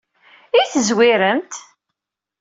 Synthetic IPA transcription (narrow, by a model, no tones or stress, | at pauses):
iθəzwiɾəmt̪